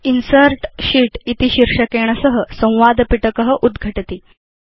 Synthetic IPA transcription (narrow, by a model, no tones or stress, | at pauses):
insəɾʈɕiːʈit̪iɕiɾʂəkeɳ̃əsəɦəsə̃w̃ʋad̪piʈəkəɦəʔud̪ɡʱəʈt̪iː